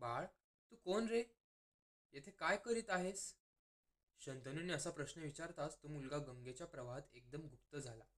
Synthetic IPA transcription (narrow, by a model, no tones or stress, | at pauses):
baɭ | t̪uːkonɾe | jet̪ʰekajkəɾiːt̪aɦes | ɕənt̪ənuːnːiəsapɾəɕnəʋit͡ɕaɾt̪ast̪uːmulɡaɡəŋɡet͡ɕjapɾəʋaɦət̪ek̚d̪əmɡʱupt̪əd͡zʱala